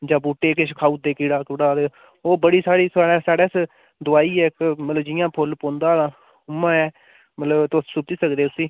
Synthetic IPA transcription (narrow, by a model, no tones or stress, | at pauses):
d͡ʒãːbuːʈːeːkeʃkʰaːuːd̪eːkiːɽaːkʊɽaːd̪e | oːbəɽiːsaːɽiːsaːɽɛːsaːɽɛːs | d̪ʊaːiːɛːkmət̪ləbd͡ʒɪjãːpʰʊlpõːnd̪aːãː | ʊmãːɛː | mət̪ləbt̪ːsʊt̪iːsəkd̪eːʊsiː